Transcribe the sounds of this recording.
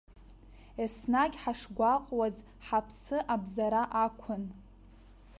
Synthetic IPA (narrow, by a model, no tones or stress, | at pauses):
esnaɡʲħaʂɡʷaqʼwaz | ħapʰsɨʔabzaɾaʔakʷʰʊn